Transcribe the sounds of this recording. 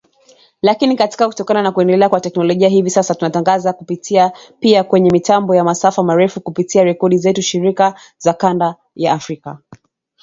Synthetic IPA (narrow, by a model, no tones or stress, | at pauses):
lakinikati̥kaku̥tɔkananakuɛndɛlɛakwatɛknɔlɔʄiaɦivisasatunataŋɡazakupitiapiakwɛɲɛmitambɔjamasafamaɾɛfukupitiaɾɛkɔɗizɛtuʃiɾika | zakanda | jaːfɾika